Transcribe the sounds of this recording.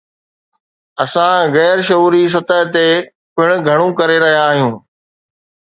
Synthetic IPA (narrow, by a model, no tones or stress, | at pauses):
ɐsãɣɛːɾʃɐuːɾis̬ɐt̪əɦt̪e | pɪɽ̃ʊ̆ɡʱɐɽ̃ũkɐɾeɾɐɦijaːɦijũː